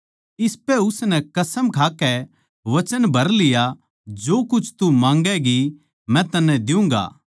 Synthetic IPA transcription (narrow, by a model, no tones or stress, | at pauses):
ɪspɛʊsnɛkɐsəmkʰaːkɛ | ʋɐt͡ʃənbʱɐɾlɪja | d͡ʒoːkʊt͡ʃʰt̪umãːŋɡɛɡi | mɛ̃t̪ɐnːɛ̃d̪ɪũːŋɡa̰ː